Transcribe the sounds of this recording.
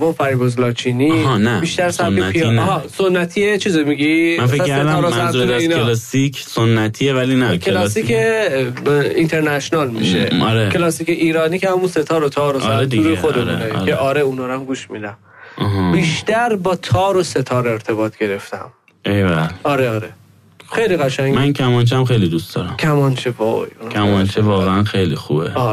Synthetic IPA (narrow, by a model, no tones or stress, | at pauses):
vɒːpʰæɾbozlɒːt͡ʃʰiːninæbiʃt̪æɾsæbkepʰijɦɒːsonːæt̪ʰiːet͡ʃʰiːzemiɡimænfeæːæed̪æɾɒmsæzuueinlsikʰsonːæt̪ʰievælinækʰelɒsiːkʰe | int̪ʰe̞ɾnæʃonɒːlmḭʃḛɒ̰ɾekʰelɒːsiːceʔiːɾɒːniːcʰehæmunset̪ʰɒːɾot̪ʰɒːɾosd̪uːɾexod̪emunekʰeʔɒːɾeunɒːɾamɡuːʃmid̪æm | ɔɦɑbiːʃt̪æɾbɒːt̪ʰɒːɾose̞t̪ʰɒːɾe̞ɾt̪ʰe̞bɒːt̪ʰɟe̞ɾe̞ft̪æ̰m | ʔejvælɒːɾeɒːɾe | xejliɣæʃæŋɡmænkʰæmɒnt͡ʃʰæmχejlid̪ust̪d̪ɒːɾæmkʰæmɒnt͡ʃʰevɒ̰junʰæmɒnt͡ʃʰevɒːɣeænxejlixṵbḛɒː